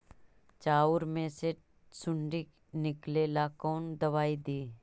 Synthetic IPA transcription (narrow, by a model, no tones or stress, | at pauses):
t͡ʃaːʊɾmẽse | sʊɳɖik | nɪklelaːkoːnd̪ɐʋaːid̪iː